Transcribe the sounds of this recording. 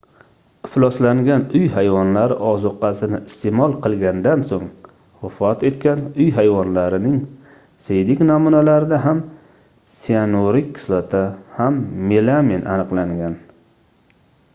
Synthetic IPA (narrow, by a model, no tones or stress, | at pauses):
ɪflˠɒslaŋɡʲanʊjhajvɒnlaɾɪʔɒzʊqːɑsɪnɪɪst̪ʰemɒlˠqʰɨlˠɡʲand̪ansoŋ | wʊfɒt̪e̞t̪̚kʲanʊjɦajvɒnlaɾɪnɪŋ | sejd̪ɪkʲnamunalaɾɪd̪aɦam | sianoɾɪkʲkʰɪ̥slat̪ʰahamːelaminʔa̰nɨqlˠaŋɡʲan